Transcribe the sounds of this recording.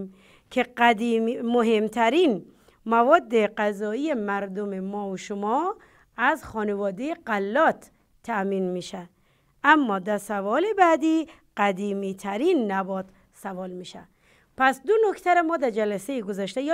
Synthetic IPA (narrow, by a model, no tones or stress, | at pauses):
m | kʰeæd̪immoɦemt̪ʰæɾiːn | mævɒːd̪ːeqæzɒːijemæɾd̪omemɒːoʃomɒː | æzxɒːnevɒːd̪ejeqælːɒːt̪ʰː | æmiːnmiːʃæ | ʔæmːɒːd̪æɾsævɒːlebæːd̪iː | qæd̪iːmiːt̪ʰæɾinːæbɒːd̪ | sævɒːlmiːʃæ | pʰæsd̪onokʰt̪ʰæɾemɔːd̪æɾd͡ʒælæsejeɡozæʃt̪ej